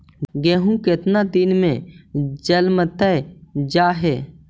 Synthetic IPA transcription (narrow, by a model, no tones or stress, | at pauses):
ɡeːɦũkɪt̪nad̪ɪnmẽd͡ʒəlmət̪əd͡ʒaːɦɛː